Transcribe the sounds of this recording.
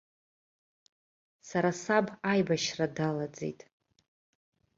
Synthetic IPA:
saɾasabajbaʃradalad͡zḛjtʼ

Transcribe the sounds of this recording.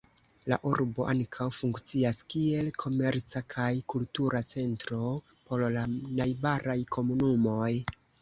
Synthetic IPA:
laʔuɾbo̞ʔaŋkʰawfuŋkt͡siaskie̞lkʰo̞me̞ɾt͡sakʰajkultuɾʔat͡se̞ntɾo̞ | po̞llanajbaɾajkʰo̞munumo̞j

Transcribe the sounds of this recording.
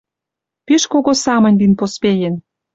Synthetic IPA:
piʃkoɣosɑmə̆nʲd̪inpospejĕn

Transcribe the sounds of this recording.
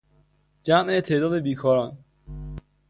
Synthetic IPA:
d͡ʒæmʔet̪ʰeʔd̪ɒːd̪ebiːkʰɒːɾɒːn

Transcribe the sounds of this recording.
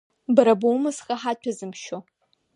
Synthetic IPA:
bɨɾɐbowmɐsxɐħaːt͡ʃʷʰɐzɨmʃo

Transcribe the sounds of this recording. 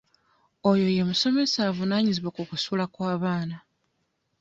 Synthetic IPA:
o̞jo̞je̞muso̞me̞saːvunaːɲiziβwakukusulakwaːβaːna

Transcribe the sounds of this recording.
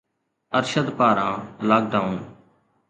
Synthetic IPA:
əɾʃəd̪paːɾãːlaːk̚ɖaːun

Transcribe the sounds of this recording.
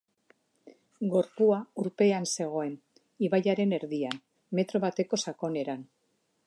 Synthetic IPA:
ɡo̞ɾpuauɾpe̞anse̞ɣ̞o̞e̞n | iβajaɾe̞ne̞ɾðian | me̞t̪ɾo̞βat̪e̞ko̞sako̞ne̞ɾan

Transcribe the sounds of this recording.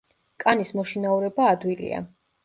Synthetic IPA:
kʼanismɔʃinauɾɛbaːd̪wilḭa̰

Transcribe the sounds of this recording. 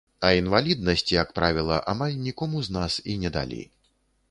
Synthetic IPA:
ɐinvalʲid̪̚nɐsʲt͡sʲijɐkpɾavʲilˠɐʔamalʲnʲikɔmuznasinʲɛd̪a̰lʲḛj

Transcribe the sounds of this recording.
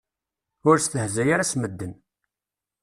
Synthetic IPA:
ʊɾst̪əhzæjaɾasməd̪ːən

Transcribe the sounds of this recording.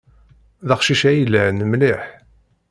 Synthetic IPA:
ðəχʃiʃæjəlːænəmlɪħ

